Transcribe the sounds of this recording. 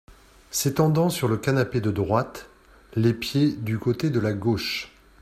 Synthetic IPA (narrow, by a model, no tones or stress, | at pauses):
set̪ɑ̃d̪ɑ̃syʁləkanaped̪əd̪ʁwat̪ | lepjed̪ykot̪ed̪əlaɡoʃ